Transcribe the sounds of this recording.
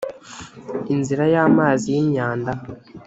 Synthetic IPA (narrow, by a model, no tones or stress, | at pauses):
inziɾajaːmaːzijiɲaːnda